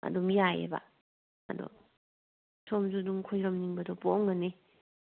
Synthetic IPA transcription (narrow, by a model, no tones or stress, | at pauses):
a̰dɔmjajḛba̰ | a̰dɔ̰ | sʰɔmzuduŋkʰɔjɾɔmniŋbadɔpɔŋɡane